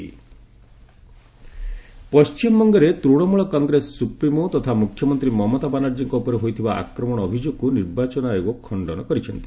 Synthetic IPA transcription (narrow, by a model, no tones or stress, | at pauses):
pɔst͡ʃimbɔŋɡɔɾet̪ɾuɽ̃ɔmuɭɔkɔŋɡɾesɔ̥supɾimot̪ɔt̪ʰamukʰːjɔmɔnt̪ɾimɔmɔt̪abanaɾd͡ʒiŋkɔupɔɾeɦojt̪ʰibaʔa̰kɾɔmɔɽ̃ɔːbʱid͡ʒoɡ̚kuniɾbat͡ʃɔnaeɡokʰɔɳɖɔnɔkɔɾit͡ʃʰɔnt̪i̥